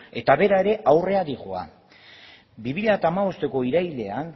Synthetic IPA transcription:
e̞t̪aβe̞ɾae̞ɾe̞ʔawre̞aðiʝoa̰ | biβiʎat̪aːmaβo̞st̪e̞ko̞iɾajle̞an

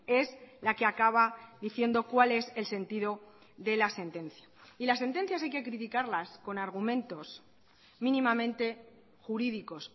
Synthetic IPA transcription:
e̞zlake̞akaβ̞aðiθje̞nd̪o̞kwale̞se̞lse̞nt̪iðo̞ | ðe̞lase̞nt̪e̞nθjailasːe̞nt̪e̞n̟θjasajke̞kɾit̪ikaɾlasko̞naɾɣ̞umẽ̞nt̪o̞s | mĩnĩmamẽ̞nt̪e̞ | xuɾiðiko̞s

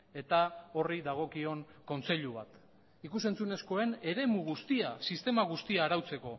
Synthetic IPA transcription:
e̞t̪ao̞riðaɣ̞o̞kio̞ŋko̞nt͡se̞ʎuβat̪ | ikuse̞nt͡sune̞sko̞e̞ne̞ɾe̞muɣ̞ust̪iasist̪e̞maɣ̞ust̪iaːɾawt͡se̞ko̞

